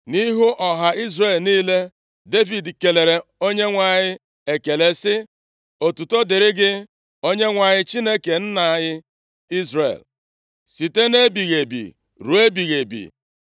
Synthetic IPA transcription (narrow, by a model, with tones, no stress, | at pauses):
ni˦ɦu˦ʔɔ˨ɦa˨i˦zre˨lniː˦le˦ | de˦vi˨dke˨le˨ɾe˨o˦ɲe˦ŋʷa˨ɲɪ˦ | e˨ke˨le˦sɪ˦ | o˨tu˨to˦dɪ˨ɾɪ˦ɡɪ˦ | o˦ɲe˦ŋʷa˨ɲɪ˦t͡ʃi˦ne˦ke˨n̩˦na˨a˨ɲɪ˦ | i˦zrḛ˨l | si˨te˦ne˦bi˨ɣe˨bḭ˨ | ɾu˨e˦bi˨ɣe˨bḭ˨